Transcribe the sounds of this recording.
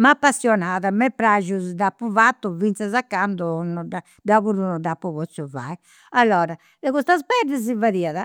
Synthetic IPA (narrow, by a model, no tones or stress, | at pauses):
mapːasjɔnaðamɛpːɾaʒuzd̪apːuvat̪ːuvint̪sazakːand̪ɔnɔda | d̪aβuɾunɔd̪apːuβɔt̪suva̰i | alːɔːɾa | dɛɣust̪azbɛɾd̪ɛzivaɾiaða